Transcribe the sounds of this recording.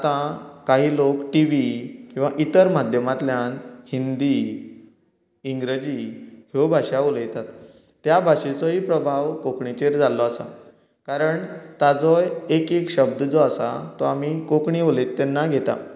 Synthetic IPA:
at̪ãkaɦiːlokʈiʋikĩw̃ʋaʔit̪əɾmad̪ʱjəmat̪ljanhind̪i | ŋɡɾəd͡ʑihobʱaɕaoləjt̪at̪ː | jabʱaɕet͡sɔɦiːpɾəbʱaʋkokɳit͡ɕeɾd͡zalɔasa̰ | kaɾəɳt̪ad͡zɔjekekɕəb̚d̪d͡zɔasa̰t̪ɔamikokɳiolet̪ːenːaɡʱet̪a̰

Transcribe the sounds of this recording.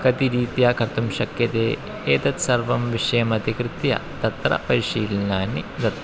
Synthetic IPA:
kɐt̪iɾiːt̪jaːkʰɐɾt̪umʃɐkjɐt̪eː | eːt̪ɐt̪sɐɾʋɐmʋiʂɐjɐmɐd̪ʱikɾɨt̪jɐ̰t̪ɐt̪ɾɐ̰pɐɾiʂiːlnaːnid̪ɐt̪

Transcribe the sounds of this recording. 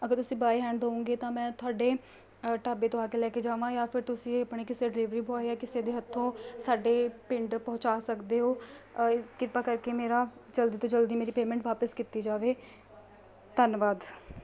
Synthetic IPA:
əɡəɾt̪ʊsĩːbaːiɦɛ̃ːɳɖɦoːũːŋɡeːt̪ãːmɛ̃ːt̪ʰʊaːɖeː | ʈaːbeːt̪oaːkeːlɛːked͡ʒaːʋãːjaːpʰɪɾt̪ʊsĩːəpɳeːkɪseːɖɪlɪːʋɾiːboːeɛːkɪseːd̪eːɦət̪ʰːõːsaːɖeːpɪɳɖpɔ̃ːt͡ʃaːsəkd̪eːɦoː | kɪɾpaːkəɾkeːmeːɾaːt͡ʃəld̪iːt̪õːd͡ʒəld̪iːmeːɾiːpeːmɛ̃ɳʈʋaːpəskit̪iːd͡ʒaːʋeː | t̪ənʋaːd̪

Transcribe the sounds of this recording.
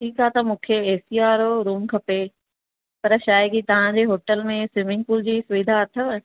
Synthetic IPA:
ʈʰiːkat̪ɐmũːkʰeeːsijaːɾoɾuːmkʰɐpe | pɐɾʃaːjɪɡit̪ɐʋ̤ãd͡ʑeːɦoːʈəlmẽsɪmɪ̃ŋɡ̚puːld͡ʑiːsʊʋid̪ʱaɐt̪ʰəʋ

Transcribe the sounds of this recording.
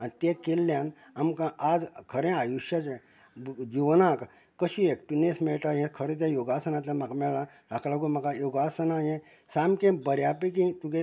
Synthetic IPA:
anit̪ekelːjãn | amkãad͡zkʰəɾẽajuɕjat͡sẽ | d͡ʑiʋnãk | kəɕiek̚ʈinesmɛʈajẽkʰəɾẽt̪̬jãjoɡasənat̪lãmakmɛɭã | ɾaklaɡumakajoɡasənajẽ | samkẽbəɾjapek̬ĩt̪uɡe

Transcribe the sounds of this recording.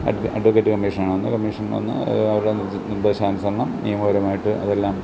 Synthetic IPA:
ɐ̰ɖɐɖʋɐkːeːtːɨkɐmːiːʂɐnaːɳonːɨkɐmːiʂɐnno̰nːɨ̰ɐʋɐɾuɽe | bɐɕaːnɐsɐɾɐɳːɐmeːmoːɾɐmaːjiʈːɨʔɐ̰ðelːaːm

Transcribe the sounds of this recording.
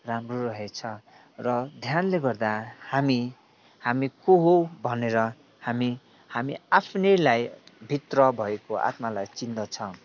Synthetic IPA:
ramroɾʌɦet͡sʰʌ | rʌd̪ʱjanleɡʌrd̪ahami | hamikoɦobʱʌneɾʌ | hami | hamiapʰnʌlajbʱit̪rʌbʱʌekoʔa̰t̪malajt͡sind̪ʌt͡sʰʌ̃

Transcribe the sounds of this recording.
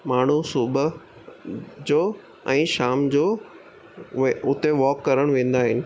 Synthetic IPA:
maːɳ̤usʊb | d͡ʑoː | ɛ̃ːʃaːmd͡ʑoː | ʊt̪eʋɔːkːɐɾəɽ̃ʋẽːn̆d̪aːɦɪnɪ̆

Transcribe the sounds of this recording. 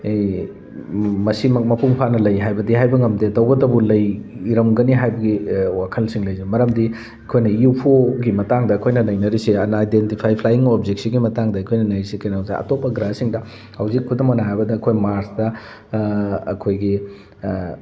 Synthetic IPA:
mɐsimmɐpʰuŋpʰanɐlɐjɦajbɐdiɦajbɐŋɐmdetɐwɡɐdɐbulɐjɾɐmɡɐniɦajbɐɡiwakʰɐlsiŋlɐjzemɐɾɐmdi | ɐkʰojnɐupʰoɡimɐtaŋdɐːkʰojnɐnɐjnɐɾisiɐnajdentipʰajpʰlajiŋob̚zek̚siɡimɐtaŋdɐɐkʰojnɐnɐjɾisikejnawzaɐ̰topːɐɡɾasiŋdɐ | hɐwzikʰːudɐmonaɦajbɐdɐːkʰojmaɾsdɐ | ɐ̰kʰojɡi

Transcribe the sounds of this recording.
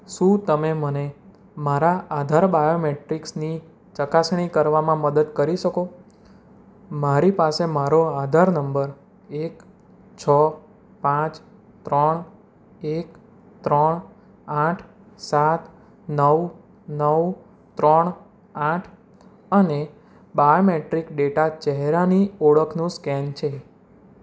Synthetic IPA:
ʃũt̪əmeməne | maɾaʔad̪ʱaɾbajomeʈɾiksni | t͡ʃəkasɳ̃ikəɾʋamãməd̪əd̪kəɾiʃəko | maɾipasemaɾoad̪ʱaɾnəmbəɾ | ek | t͡ʃʰə | pãt͡ʃ | t̪ɾəɳ | ek | t̪ɾəɳ | ãʈʰ | sat̪ | nəʋ | nəw | t̪ɾəɳ̃ | aʈʰ | əne | bajomeʈɾikɖeʈat͡ʃɛɦɾanioɭəkʰnũskɛnt͡ʃʰe

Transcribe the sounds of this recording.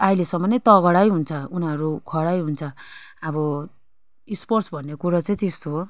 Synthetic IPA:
ajlesʌmːʌnʌjt̪ʌɣʌɽajɦunt͡sʰʌunaɾukʰʌɽajɦunt͡sʰʌʌbʌ | isporsbʱʌnːekuɾʌt͡saĩt̪est̪o

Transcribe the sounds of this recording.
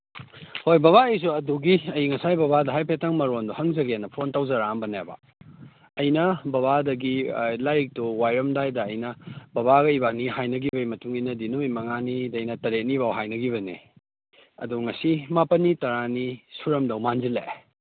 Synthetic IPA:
hojbɐβaɐjs̬uɐduɡiɐjiŋɐsajbɐbadɐɦajpʰetɐŋmɐɾonduhɐŋzɐɡeanːɐpʰontawzɐɾambɐnebɐ̰ | ɐjnɐbɐβadɐɡilajk̚tuwajɾɐmdajdɐːjnɐbɐβaɡɐibaniɦajnɐɡibɐjmɐtuŋinɐdinuimɐŋanidɐjnɐtɐɾet̚nibawɦajnɐɡiβɐnḛ | ɐ̰duŋɐsimapɐnːitɐɾanisuɾɐmdɐwmanzilḛ

